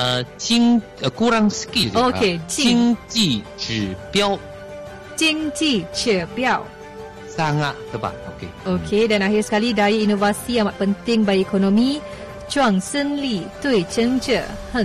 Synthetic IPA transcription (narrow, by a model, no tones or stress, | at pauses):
ət͡ʃiŋ | əkuɾaŋsə̥kioket͡ʃiŋt͡ʃi | t͡ʃɨpjaw | t͡ʃiŋt͡ʃit͡ʃəpjaw | saŋaʔ̚t̪əba̰oke | okʰedanaɦirsə̥kalidajainovasiamaʔ̪̚pənt̪ɪŋbaiekonõmĩ | t͡ʃuaŋsənlit̪ujt͡ʃəŋt͡ʃəhə